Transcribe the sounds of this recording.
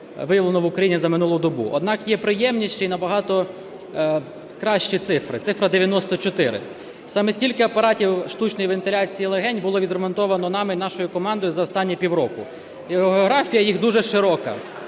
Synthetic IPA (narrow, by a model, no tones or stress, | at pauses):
ʋɪjɐʋlˠenɔʋʊkɾɐjinʲizɐmɪnulˠʊd̪ɔbṵʔɔ̰d̪̚nɑkjɛpɾɪjɛmnʲiʃt͡ʃejnɐbɐɦɑt̪ɔ | kɾɑʃt͡ʃit̪sɪfɾɪ̰t̪sɪfɾɐd̪eʋʲjɐnɔst̪ɔt͡ʃɔt̪ɪɾɪ̰ | sɑmɛsʲtʲilʲkɪɐpɐɾɑtʲiwʃt̪ut͡ʃnɔjʋent̪ɪlʲɑt͡sʲijilˠeɦɛnʲbʊlˠɔʋʲid̪ɾemɔnt̪ɔʋɐnɔnɑmɪnɑʃɔjʊkɔmɑnd̪ɔjʊzɐɔst̪ɑnʲːipʲiwɾɔkʊ | ɦeɔɦɔɦɾɑfʲijɐjiɣd̪uʒɛʃɪɾɔkɐ̰